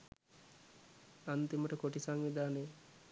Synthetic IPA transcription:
ant̪iməʈəkoʈisaŋʋid̪aːne

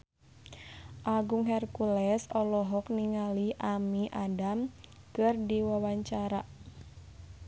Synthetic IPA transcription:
ʔaɡuŋɦɛrkulɛsɔlɔɦɔk̚niŋaliʔamiʔadam | kɨrdiwawaɲt͡ʃaɾa

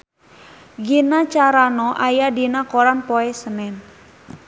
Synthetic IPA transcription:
ɡinat͡ʃaɾanɔʔajadinakoɾanpoɛsənɛn

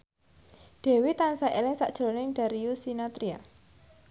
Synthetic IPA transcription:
d̥e̤wit̪ansaʔelɪŋsa̰ʔd̥ʒ̥ɾonɪŋɖ̥a̤ɾiusinat̪ɾia

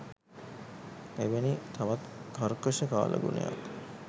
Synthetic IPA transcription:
eʋenit̪ʰaʋat̪kaɾkəʃəka̰ːlʔə̰ɡunḛja̰k

